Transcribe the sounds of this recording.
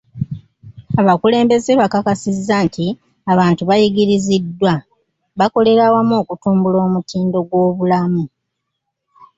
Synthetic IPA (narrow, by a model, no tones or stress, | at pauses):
aβakule̞ːmbe̞zeβakakasizːantʰi | aβaːntuβajiɡiɾizidːwa | βako̞le̞ɾawamo̞ːkutuːmbulo̞ːmutiːndo̞ɡwo̞ːβulamu